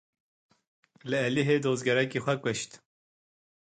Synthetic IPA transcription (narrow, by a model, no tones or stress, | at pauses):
lɨɛliɦeːd̪oːzɡɛɾɛkiːxʷɛkʷəʃt̪